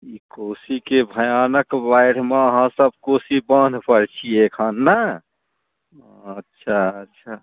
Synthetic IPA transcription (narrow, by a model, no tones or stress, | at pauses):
ikosikebʱəjanəkbajɽ̤meəɦãsəb̚ʱkosibənd̪ʱpəɾt͡ʃʰiekʰənːə | ətːʃʰaətːʃʰa